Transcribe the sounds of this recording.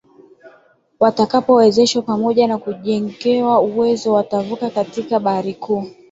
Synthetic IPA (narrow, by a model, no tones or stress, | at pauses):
watakapɔɛzɛʃwapamɔʄanakuʄɛŋɡɛwauwɛzɔwatavukakatikaɓahaɾikʰuː